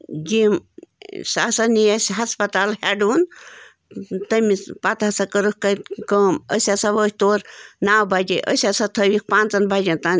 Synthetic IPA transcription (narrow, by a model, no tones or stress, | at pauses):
d͡ʒim | sa̰sɐnijɐsʲɦɐspɐt̪aːlhɛɖuːn | t̪əmipat̪ɐsɐkəɾəkkɐkəːmə̰sʲasɐʋəːhʲt̪oːɾnaːwbad͡ʒeʔə̰sʲasɐt̪ʰəʋik̚pãːnt͡sɐnbad͡ʒʲɐnt̪an